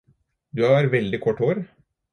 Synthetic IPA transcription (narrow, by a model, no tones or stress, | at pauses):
d̪ʉɑɾʋɛld̪ɪkʰɔʈːoːɾ